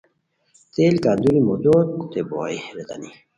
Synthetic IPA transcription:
t̪elkaɾd̪uɾimud̪okt̪ebo̰iɾet̪a̰ni

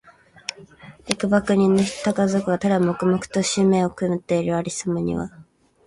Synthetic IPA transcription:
ekɯ̟bakɯ̟ɲ̟ĩnːoç̥t̪akazokɯ̟ɡat̪ad̪amo̞kɯ̟mokɯ̟̥t̪oɕimẽ̞ːokɯ̟nɯt̪ːe̞iɾɯ̟aɾʲisɨmɯɲ̟ḭβa̰

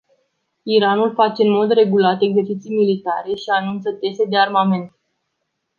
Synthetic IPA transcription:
iɾanulfat͡ʃe̞ɨnmo̞d̪re̞ɡulat̪e̞ɡze̞rt͡ʃit̪sijmilit̪aɾe̞ʃianunt̪sət̪e̞sed̪e̞armame̞nt̪

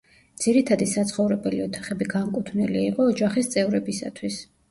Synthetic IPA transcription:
d̪z̥iɾit̪ʰad̪isat̪sʰχɔvɾɛbɛliɔt̪ʰaχɛbiɡaŋkʼut̪ʰvnɛliːqʼɔːd͡ʒaχist̪sʼɛvɾɛbisa̰t̪ʰwis

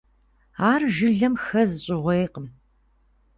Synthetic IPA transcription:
aːrʒɨɮɐmxɐzɕʼɪʁʷejqəm

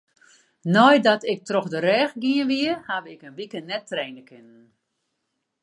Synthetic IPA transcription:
nɔjdɔtɪk̚troxdəɾɛːxɡiənʋiəhaʋɪkənʋikənːɛtːrɛːnəkʰɪnən

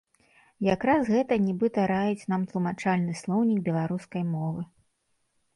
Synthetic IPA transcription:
jakɾasɣɛt̪ɐnʲibɨt̪ɐɾajut͡sʲnamt̪lˠumat͡ʂalʲnɨslˠɔwnʲikbʲɛlˠaɾuskɐjmɔvɨ

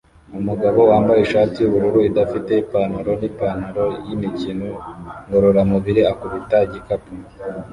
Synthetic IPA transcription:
umuɡaβo̞waːmbajiʃaːtijuβuɾuɾuidafite̞ipanaɾo̞nipanaɾo̞jimicinoŋɡo̞ɾo̞ɾamuβiɾiakuβitaɟikapu

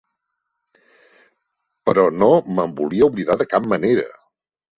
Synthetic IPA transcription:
pəɾɔnoməmbuliəuβliðaðəkap̚məneɾə̰

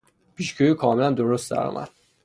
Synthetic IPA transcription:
pʰiʃcʰøjiːkʰɒːmelænd̪oɾust̪d̪æ̰ɾɒ̰ːmæ̰d̪̥

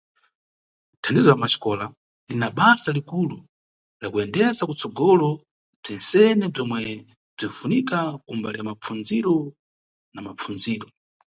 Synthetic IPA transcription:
tʰandizɔlamaʃi̥kɔla | linaɓasalikulu | lakuɛndɛzakut͡sɔɡɔlɔ | b͡ʐɛnsɛnɛb͡ʐɔmwɛ | b͡ʐinfunikakumbaliamap͡funziɾɔ | namap͡funziːɾɔ

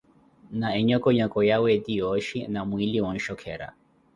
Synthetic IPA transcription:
naɛɲɔkɔɲɔkɔjawɛdijɔʃinamwiliwɔn̩ʃɔkʰɛ̰ɾa̰

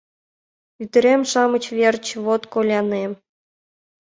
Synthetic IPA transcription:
yt̪ɘ̆ɾʲemʃɑmɤ̆t͡ɕβʲerʲt͡ɕβot̪kolʲɑnem

